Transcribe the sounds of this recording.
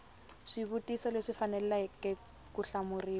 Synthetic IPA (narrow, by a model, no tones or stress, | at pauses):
ʂiβutisaleʂifanɛlɛlaɛkɛ | kuɬamuriːl